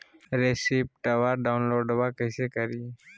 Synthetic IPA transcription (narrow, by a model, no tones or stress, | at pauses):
ɾeːsip̚ʈaʋaːɾɖaːʊnloːɖəbakəɪsekəɾiː